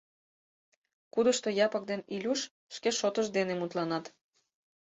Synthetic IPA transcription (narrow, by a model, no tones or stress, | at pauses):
kud̪əʃt̪ojɑpək̚d̪enilʲuʃ | ʃkeʃot̪əʃd̪enemut̪lɑnɑt̪